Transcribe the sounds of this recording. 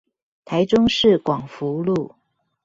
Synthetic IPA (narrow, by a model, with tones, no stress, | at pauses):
t̪ʰa˧˥ɪʈ͡ʂʊ˥ŋʂɻ̩˥˩kwɑ˨˩ŋfu˧˥lu˥˩